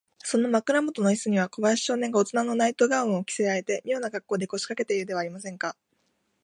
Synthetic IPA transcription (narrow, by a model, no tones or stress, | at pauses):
sõ̞nːomakɯ̟ɾamo̞t̪o̞noisɨɲ̟iβ̞ako̞baɾaɕi̥ɕo̞ːnẽ̞ŋɡaot͡sɨnanːo̞nait̪o̞ɡaɯ̃o̞kʲi̥se̞aet̪e̞mʲijo̞ːnaɡakːo̞ːd̪e̞ko̞ɕi̥kake̞t̪e̞iɯ̟d̪e̞β̞aːɾʲimasẽ̞ŋka